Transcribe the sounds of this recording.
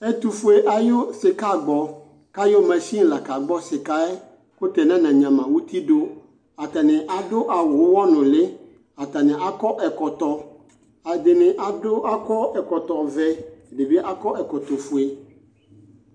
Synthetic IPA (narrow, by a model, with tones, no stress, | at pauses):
ɛ˦t̪u˨fu˦e˨ʔa˨jo˦sɪ˨ka˦ɡ͡bɔ˨ | ka˦jo˦mã˨si˦˨la˨ka˨ɡ͡bɔ˦sɪ˨ka˦ɛ˦ | kʊ˦t̪ɛ˨nã˦nã˨ɲã˨mã˨wu˦t̪i˦ɖo˦ | a˨t̪a˨nɪ̃˨ʔa˨dʊ˦ʔa˨wʊ˨˦wɔ˦nʊ̃˨lɪ˦ | a˨t̪a˨nɪ̃˨ʔa˨kɔ˦ʔɛ˨kɔ˨t̪ɔ˨ | a˨d̪ɪ˨nɪ̃˨ʔa˨dʊ˦ʔa˦kɔ˦ɛ˨kɔ˨t̪ɔ˨vɛ˦˨de˨be˦ʔa˦kɔ˦ʔɛ˨kɔ˨t̪ɔ˨fu˨e˨